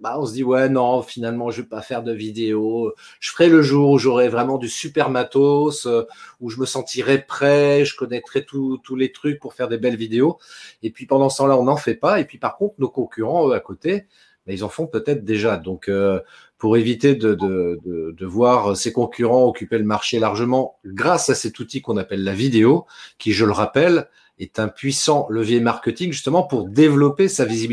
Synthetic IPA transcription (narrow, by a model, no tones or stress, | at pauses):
baɔ̃səd̪iwɛnɔ̃finalmɑ̃ʒəvøpafɛʁd̪əvid̪eo | ʒ̥əfəʁɛləʒuːʁuʒɔʁɛvʁɛmɑ̃d̪ysypɛʁmat̪osøuʒəməsɑ̃t̪iʁɛpχɛʒəkɔnɛk̚t̪χɛt̪ut̪ulet̪χyk̚puʁfɛʁd̪ebɛlvid̪eoepɥipɑ̃d̪ɑ̃sə̥t̪ɑ̃laɔ̃nɑ̃fɛpaepɥipaʁkɔ̃t̪χənokɔ̃kʲyʁɑ̃øakot̪e | bailzɑ̃fɔ̃pøt̪ɛt̪χd̪eʒad̪ɔ̃kø | puʁevit̪ed̪əd̪əd̪əd̪əvwaʁəsekɔ̃kʲyʁɑ̃ɔkʲypeləmaʁʃelaʁʒəmɑ̃ɡʁasasɛt̪ut̪ikɔ̃napɛlːavid̪eokʲiʒələʁapɛl | ɛt̪ɛ̃pɥisɑ̃ləvjɛmaʁkʲət̪iŋʒyst̪əmɑ̃puʁd̪evlɔpesavizibi